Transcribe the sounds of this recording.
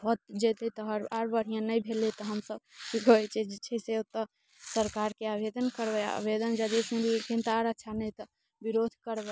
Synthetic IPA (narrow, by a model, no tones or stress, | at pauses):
bɔt̪̚d͡ʒet̪lit̪ɔɦəɾaɾbəɽ̤ijãnəjbʱelit̪ɔɦəmsəbikət͡ʃʰɛd͡ʒt͡ʃʰɛseot̪ːə | səɾkaɾkeabed̪ənkəɾbɛ̰bed̪ənd͡ʒəd̪ismelekint̪aɾətːʃʰanəjt̪ɔ | biɾod̪ʱkəɾbɛ